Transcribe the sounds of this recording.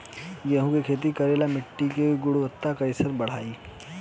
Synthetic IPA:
jɐɦũkekʰeːt̪̬ikɐɾeːlamɪʈːikeɡʊɽuʋət̪ːakɐɪsəɾbɐɽ̤aːiː

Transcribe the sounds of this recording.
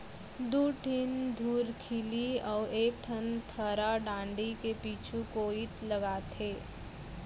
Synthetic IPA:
d̪uːʈʰɪnd̪ʱuːɾkʰɪliɔːɾeːk̚ʈʰənt̪ʰəɾaɖãːɳɖikepiːt͡ʃʰukoːɪt̪lɐɡaːt̪ʰeː

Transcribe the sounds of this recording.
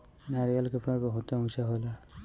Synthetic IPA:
naɹialkɛpʰnaɹbɔɦutɔusaɦola

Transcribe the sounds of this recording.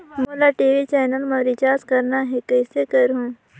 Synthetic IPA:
moːlaʈeːʋit͡ʃɛːnəlmɐɾit͡ʃaːskɐɾnaɦekəɪsekəɾɦũː

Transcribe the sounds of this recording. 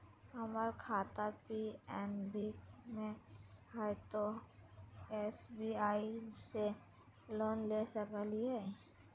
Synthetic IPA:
ɦəməɾkʰaːt̪apiɛːmbimẽhat̪o | esbiaːise | loːnlesəkəliɦɛ

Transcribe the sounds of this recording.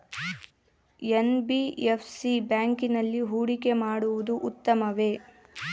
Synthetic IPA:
enbiefʰsibjaːŋkinɐlːiɦuːɽikemaːɽuʋud̪uʔut̪ːɐmɐʋe̞ː

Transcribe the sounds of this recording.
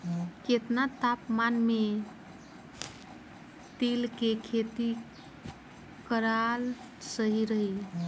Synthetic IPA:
ket̪nat̪apmanme | t̪elkekʰet̪i | kəɾal | səɦiɾəɦi

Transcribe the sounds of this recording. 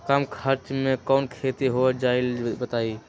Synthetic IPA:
kaːmkʰəɾt͡ʃmẽkɔːnkʰet̪iɦoed͡ʒaɪlbət̪ai

